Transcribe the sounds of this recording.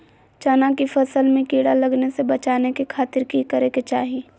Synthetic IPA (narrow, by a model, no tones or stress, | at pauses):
t͡ʃaːnãkifɐsəlmẽkiːɽalɐɡnesebɐt͡ʃaːnekekʰaːt̪ɪɾkikɐɾeket͡ʃaːɦi